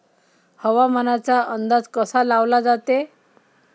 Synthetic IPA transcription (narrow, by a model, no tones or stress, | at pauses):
həʋam̤ənat͡saənd̪ad͡zkəsalaʋlad͡zat̪e